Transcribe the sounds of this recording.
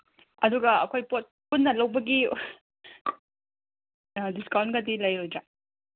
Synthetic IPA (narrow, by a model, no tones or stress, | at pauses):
ɐduɡɐɐ̰kʰojpot̚punːɐlɐwbɐɡi | diskawnɡɐdilɐjɾojd͡ʒa